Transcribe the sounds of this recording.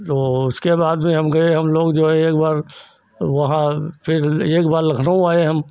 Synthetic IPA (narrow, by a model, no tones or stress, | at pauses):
t̪oːʊskebaːd̪mẽɦɐmɡɐeɦɐmloːɡd͡ʒoːɦɛ̃eːkbaːɾ | ʋɐɦãpʰɪɾeːkbaːɾlɐkʰnaũaːeɦɐm